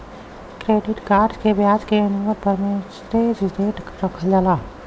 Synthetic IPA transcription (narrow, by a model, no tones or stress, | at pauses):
kɾeːɖɪʈkaːɾd͡ʒkebjaːd͡ʒkeənuʋəd̪̚pəɾmẽsɾed͡ʒt̪eːʈɾəkʰəld͡ʒalaː